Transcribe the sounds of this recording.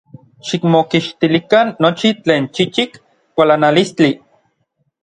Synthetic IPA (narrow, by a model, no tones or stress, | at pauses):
ʃikmokiʃt̪ilikanːot͡ʃit͡ɬeːnt͡ʃit͡ʃik | kʷalanalist͡ɬi